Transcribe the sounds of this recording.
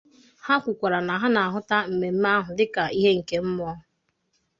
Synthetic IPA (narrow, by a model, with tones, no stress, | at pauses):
ha˦kʷʊ˨kʷa˨ɾa˨na˨ɦa˦na˨a˨ɦʊ˦ta˦m̩˨me˨m̩˦ma˦ɦʊ˨dɪ˦ka˨i˦ɦe˦ŋ̩˨ke˦m̩˦mɔ˦ɦʊ˨